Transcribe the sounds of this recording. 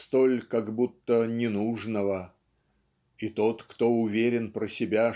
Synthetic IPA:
st̪olʲkaɡbut̪ːənʲɪnuʐnəvə | it̪o̞t̪kt̪o̞ʊvʲeɾʲɪnpɾəsʲɪbʲa

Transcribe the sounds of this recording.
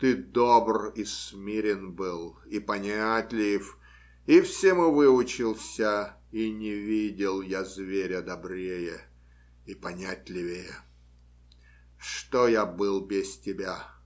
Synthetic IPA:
t̪ɨd̪obrismʲeɾʲɪnbɨlˠipɐnʲatʲlʲɪf | ifsʲemɨvɨʊt͡ɕɪlˠsʲə | inʲɪvʲidʲɪlˠjazvʲeɾʲəd̪ɐbɾʲejə | ipɐnʲatʲlʲɪvʲejə | ʂt̪ojabɨlˠbʲɪstʲɪbʲa

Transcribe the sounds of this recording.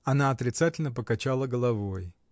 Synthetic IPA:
ɐnaɐt̪ɾʲɪt̪satʲɪlʲnəp̬əkɐt͡ɕalˠəɡəlˠɐvo̞j

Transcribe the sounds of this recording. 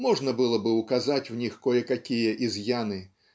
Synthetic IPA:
mɔʐnɐbɨlˠɔbɨwkazat͡sʲwnʲixkɔjɛkakʲijɐʔizjanɨ

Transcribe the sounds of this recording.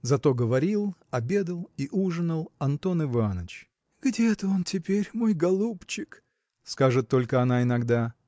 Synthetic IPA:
zɐt̪o̞ɡəvɐɾʲilˠɐbʲe̞d̪əlˠiʔuʐɨnəlˠɐnt̪o̞nɪvanət͡ɕ | ɡdʲeɛt̪əo̞ntʲɪpʲeɾʲmo̞jɡɐlˠupt͡ɕɪk | skaʐɨt̪ːo̞lʲkəɐnaɪnɐɡd̪a

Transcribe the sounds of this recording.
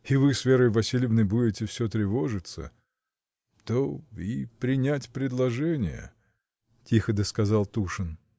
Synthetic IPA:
ɪvɨsvʲeɾəjvɐsʲilʲɪvnəjbudʲɪtʲɪfsʲɵt̪ɾʲɪvoʐɨt̪sə̰ | t̪oipɾʲɪnʲætʲpɾʲɪd̪lˠɐʐɛnʲɪ̰jə̰ | tʲixəd̪əskɐzɑlˠt̪uʂɨn

